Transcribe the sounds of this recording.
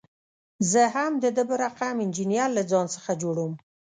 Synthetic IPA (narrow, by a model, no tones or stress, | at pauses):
zəɦamd̪əd̪əbəɾaqamɪnd͡ʒinijaɾlad͡zɑnsəxad͡ʒoɽum